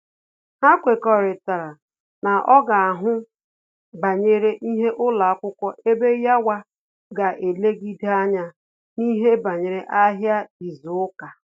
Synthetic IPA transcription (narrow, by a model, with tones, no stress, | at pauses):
ha˦kʷe˨kɔ˨ɾɪ˨ta˨ɾa˨ | na˨ʔɔ˦ɡa˨a˨ɦʊ˦ | ba˨ɲe˦ɾe˦ʔi˦ɦe˦ʔʊ˦la˨a˦kʷʊ˦kʷɔ˦ʔe˦be˦ja˦wa˦ | ɡa˨ʔe˨le˦ɡi˦da˦ɲa˦ | ni˦ɦe˦ba˨ɲe˨ɾe˨ʔa˦ɦja˦i˨zʊ˨ʊ˦ka˨